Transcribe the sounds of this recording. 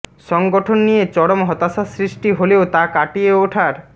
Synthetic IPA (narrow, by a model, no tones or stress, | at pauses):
ʃɔŋɡoʈʰonːijet͡ɕɔɽomɦɔt̪asasɾisʈiɦoleot̪akaʈieoʈʰaɾ